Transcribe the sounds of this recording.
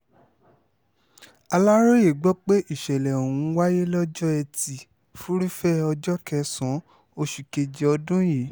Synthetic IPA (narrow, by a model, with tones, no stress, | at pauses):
a˧la˦ɾo˦je˨ɡ͡bɔ˦k͡pe˦ʔi˦˨ʃɛ˨lɛ˨o˨wũ˨˦wa˦je˦lɔ˦d͡ʒɔ˦ɛ˧ti˨ | fu˦ɾi˦fɛ˦ɔ˧d͡ʒɔ˦kɛ˧sɔ̃˨˦ | o˧ʃu˨ke˧d͡ʒe˧ɔ˧dũ˦je˨˦